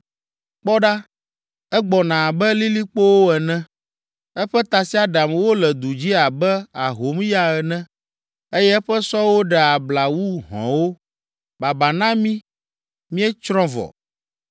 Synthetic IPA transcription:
k͡pɔ˦ɖa˦ | ɛ˦ɡ͡bɔ˨nã˨bɛ˦li˦li˦k͡po˦wo˦ɛ˨nɛ̃˦ | ɛ˦ɸɛ˦t̪a˨si˦a˦ɖa˨m˨wo˦lɛ˨d̪u˨d͡ʑi˦a˨bɛ˦a˨ɦo˨˦m˦ja˦ɛ˨nɛ̃˦ | e˦jɛ˦ɛ˦ɸɛ˦sɔ˦wo˦ɖɛ˨a˨bla˨wu˦ɦɔ̰̃˨wo˦ | ba˨ba˨nã˦mĩ˦ | mĩ˦ɛ˦t͡ʃɾɔ̃˦vɔ̰˨

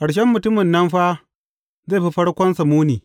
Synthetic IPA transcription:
ka˨ɽʃ̬ɛ˦mːʊ˨tʊ˦mɪ˨nːɐ˦mɸa˦ | ze˦˨ɸi˦ɸɐ˦ɽkʷɔ˦nsɐ˨muː˦niː˨

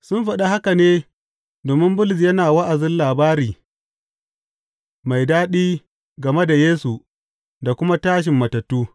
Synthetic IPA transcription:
sʊ˦nɸɐ˨ɗa˦ha˦ka˨neː˦ | doː˨mɪ˦mbʊ˦lzjɐ˦naː˨wɐ˦ʔa˨zɪ˦nlaː˨baː˦ɾiː˨ | ma˨jdaː˦ɗiː˦ | ɡɐ˨me˦da˨jeː˦su˨ | da˨kʷʊ˦ma˦taː˦ʃ̬ɪ˨mːɐ˨tɐ˨tːuː˦

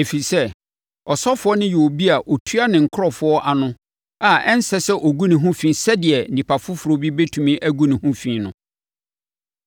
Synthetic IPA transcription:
e˨fi˨sɛ˦ | ɔ˨sɔ˦fʊ˦ɔ˦nɪ̃˦ju˨o˨bi˦a˨ʔo˨tʰu˦a˦nɪ̃˨ŋ̩˨kʰʊ˦ɔ˨fʊ˦ɔ˦ʔa˨nʊ̃˦ | a˨ɛ˦n̩˦sɛ˦sɛ˦ʔo˨ɡu˦nɪ̃˨ɦʊ̃˦fĩ˦sɛ˦dɪ˨ɛ˨n̩˦nĩ˨pʰa˨fʊ˦fʊ˨ɾo˨˦bi˦be˦tʰu˨mĩ˦ʔæ˦ɡu˦nɪ̃˨hʊ̃˦fĩ˦nʊ̃˨

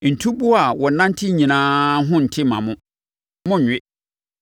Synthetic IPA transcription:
n̩˨tʰu˦bu˦a˨wɔ˨nã˦n̩˦tʰɪ˦ɲĩ˨nãː˦ɦʊ̃˦n̩˨tʰɪ˦mã˨mʊ̃˦ | mʊ̃˦ɲᶣ˨ɪ˦

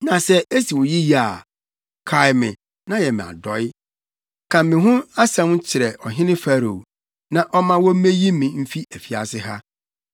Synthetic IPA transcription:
nã˨sɛ˦e˦si˨wɔ˨ji˦ji˦a˨ | kʰa˨ɪ˨mɪ̰̃˨ | nã˦jɛ˨mɪ̃˨a̰˨dɔ˨˦ɪ˦ | kʰã˨mmːɪ̃˨ɦʊ̃˦a˦sɛ̃˦m˦t͡ɕʰɪ˨ɾɛ˨ɔ˨ɦɪ̃˦nɪ̃˦fæ˦ɾo˨ | nã˨ʔɔ˦mã˦wɔ˦m̩˦mẽ˦ji˦mɪ̃˨m̩˦fi˦æ˨fi˨a̰˨sɪ˦ɦa˦

